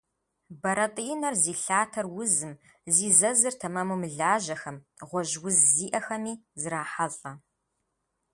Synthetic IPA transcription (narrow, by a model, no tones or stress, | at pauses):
bɐɾɐtʼiːnɐrziːɬaːtʰɐrwʊzɨm | ziːzɐzɨrtʰɐmɐmumɨɮaːʒɐxɐmʁʷɔʒwʊzːiːʔɐxɐmiːzɨɾaːħaɮʼɐ